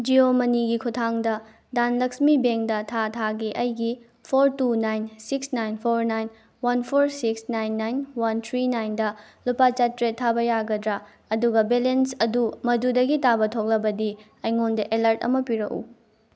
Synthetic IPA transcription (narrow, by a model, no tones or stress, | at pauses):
d͡ʒiomɐniɡikʰutʰaŋdɐ | danlɐksmibeŋdɐtʰatʰaɡiʔɐjɡi | pʰoɾtunajnsiksnajnpʰoɾnajn | wɐnpʰoɾsiksnajnːajnwɐnt̪ʰɾinajndɐ | lupat͡ʃɐtɾetʰːabɐjaɡɐdɾɐ | ɐduɡɐbelensɐdumɐdudɐɡitabɐtʰok̚lɐbɐdi | ɐjŋondɐʔelɐɾtɐ̰mɐpiɾɐ̰kṵ